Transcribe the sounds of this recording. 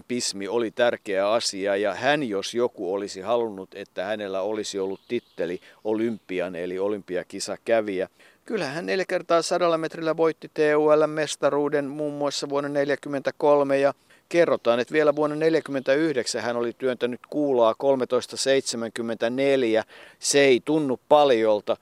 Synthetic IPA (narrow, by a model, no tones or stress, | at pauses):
pismiolit̪ærkeæɑsiɑjɑhænjosjokuolisihɑlunːut̪et̪ːæhænelːæolisiolːut̪t̪it̪ːeliolympːiɑnḛliolympˑiɑkisɑkæʋiæ | kylhæhænneljækert̪ɑːsɑdɑlːɑmet̪rilːæʋoit̪ːit̪eːuːælːæmmest̪ɑruːdenmuːmːuɑsːɑʋuonːɑneljækymːent̪ækolmejɑ | kerːot̪ɑːnet̪ʋielæʋuonːɑneljækymːent̪æyhdeksæhænolit̪yønt̪ænyt̪kuːlɑːkolmet̪oist̪ɑseit̪semæŋkymːent̪æneljæseeit̪unːuppɑljolt̪ɑ